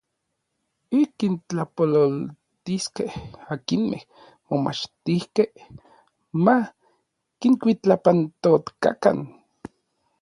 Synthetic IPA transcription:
ikint͡ɬapololt̪iskehakinmḛh | moma̰t͡ʃt̪ihkeh | ma | kiŋkʷit͡ɬapant̪ot̪ka̰ka̰n

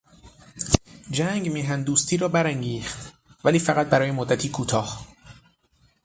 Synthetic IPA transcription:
d͡ʒæŋɡmiːɦænd̪uːst̪ʰiːɾɒːbæɾæŋɡiːxt̪ | væliːfæɣæt̪̚bæɾɒːjemod̪ːæt̪ʰiːkʰuːt̪ʰɒːh

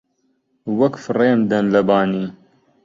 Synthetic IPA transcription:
wɐkfreːmd̪ɐnlɐbaːniː

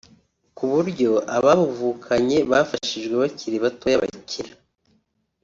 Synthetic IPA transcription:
kuβuɾɟo̞aβaβuvuːkʰaɲe̞βafaʃiʒɡweβacʰiɾiβatojaβa̰cʰiɾa

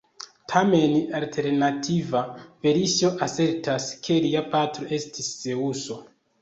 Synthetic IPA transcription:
tʰame̞naltʰe̞ɾnatʰivave̞ɾiʃo̞ʔase̞ɾtaskʰe̞liapatɾo̞ʔe̞stʰisːe̞uso̞

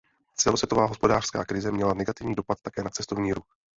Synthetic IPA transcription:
t͡sɛlosvjɛt̪o̞vaːɦo̞spo̞daːr̥ska̰ːkɾɪzɛmɲɛlanɛɡat̪ɪvɲiːdo̞pat̪̚t̪ːakɛːnat͡sɛst̪o̞vɲiːɾux

